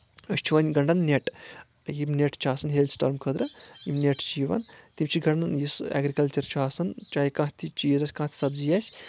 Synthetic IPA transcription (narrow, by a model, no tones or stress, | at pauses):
əsʲt͡ʃʰuʋɐnʲɡɐɳɖɐnneʈ | jimnʲeʈt͡ʃʰaːsɐnɦeld̪sʈɐɾmkʰəd̪ɾɐjimneʈt͡ʃiːʋa̰nt̪imʲt͡ʃʰiɡɐɳɖɐnjisɛ̰ːɡɾikɐlt͡ʃɐɾt͡ʃʰuaːsɐnt͡ʃaːjkãɦt̪ʰit͡ʃiːzɐsʲkãɦt̪ʰʲi̥sɐbzijasʲ